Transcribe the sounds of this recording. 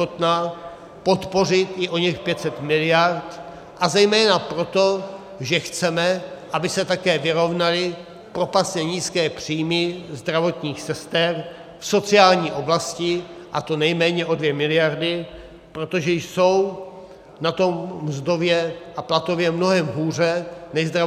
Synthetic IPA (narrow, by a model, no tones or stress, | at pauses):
ot̪na | po̞t̪po̞r̝ɪt̪ɪʔo̞ɲɛxpjɛt̪sɛt̪mɪlɪjaɾt̪ | ʔazɛjmɛːnapɾo̞t̪o̞ | ʒɛxt͡sɛmɛʔabɪsɛt̪akɛːvɪɾo̞vnalɪ | pɾo̞pasɲɛɲiːskɛːpr̥iːmɪzd̪ɾavo̞t̪ɲiːxsɛst̪ɛr | fso̞t͡sɪaːlɲiːʔo̞blascɪʔa̰t̪o̞nɛjmɛːɲɛʔo̞dvjɛmɪlɪjaɾdɪ | pɾot̪o̞ʒɛjso̞w | nat̪o̞mzd̪o̞vjɛʔaplat̪o̞vjɛmno̞ɦɛmɦuːr̝ɛnɛjzd̪ɾa